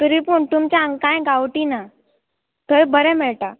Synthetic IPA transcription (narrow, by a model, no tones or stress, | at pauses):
t̪uɾipuːɳt̪umt͡ɕaãŋɡkãjɡawʈina | t̪əjbəɾɛmeɭʈa